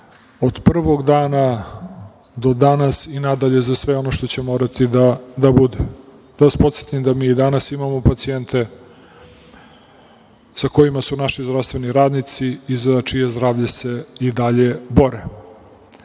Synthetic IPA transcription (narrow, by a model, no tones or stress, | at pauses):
o̞d̪pr̩ʋo̞ɡd̪aːna | d̪o̞d̪anasinad̪aʎe̞zasʋeo̞no̞ʃt̪o̞t͡ɕe̞moːɾat̪id̪ad̪abud̪e | d̪̥aʋaspo̞t̪set̪imd̪amiːd̪anasimamo̞pat̪sient̪ʰe̞ | sako̞jimasunaʃizd̪ɾafst̪ve̞niɾaːd̪nit̪siːzat͡ʃije̞zd̪ɾaːʋʎese̞id̪aʎe̞bo̞ɾe